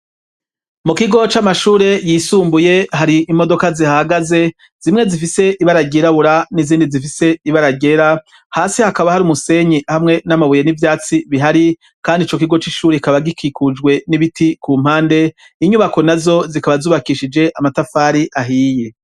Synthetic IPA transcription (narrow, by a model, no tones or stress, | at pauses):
mukiɡo̞t͡ʃamaʃuːɾe̞jisuːmbuje̞haɾiʔimo̞do̞kazihahaɡaze̞ | z̥imŋe̞zifise̞ʔiβaɾaɟeɾaβuɾaniziːndizifise̞iβaɾaɟe̞ɾa | haːsihakaβahaɾumuse̞ɲihamŋe̞namaβuje̞nivjaːt͡siβiɦaɾi | kaːndit͡ʃo̞kiɡo̞t͡ʃiʃuːɾeikaβaɡikikud͡ʒɡwe̞niβitikuːm̥haːnde̞ | iɲuβako̞nazo̞zikaβazuːβakiʃid͡ʒe̞ʔamatafaːɾiʔaɦiːje